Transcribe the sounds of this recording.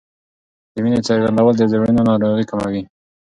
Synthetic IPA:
d̪̥əminet͡səɾɡand̪awəld̪əzəɾinonɑɾoɣikamawi

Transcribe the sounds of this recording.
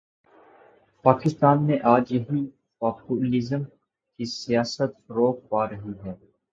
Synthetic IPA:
paːkɪst̪aːnmẽʔaːd͡ʒjɐɦi | paːpuːlɪzəm | kisijaːsət̪ɾoːk̚paːɾɐɦiɦɛː

